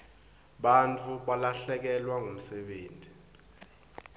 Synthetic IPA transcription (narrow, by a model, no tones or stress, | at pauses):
ɓant͡fʰʼuɓalaɬɛk̬ɛlwaŋʱom̩sɛɓeːntʼi